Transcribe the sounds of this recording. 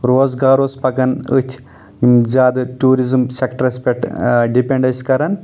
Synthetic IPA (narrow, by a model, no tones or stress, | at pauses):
ɾoːzɡaːɾoːspɐkɐnɨ̰t̪ʲʰ | imd͡ʒaːd̪ɨʈuːɾizɨmsekʈɾɐspʲeʈɖipeɳɖɐskɐɾɐn